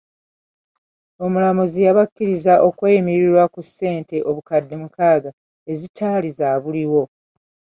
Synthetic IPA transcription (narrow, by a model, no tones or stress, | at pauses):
o̞mulamuzijaβakːiɾizaʔo̞kwe̞jimiɾiɾwakusːe̞ːnte̞ʔo̞βukadːe̞mukaːɡa | e̞zitʰaːlizaːβuliwo̞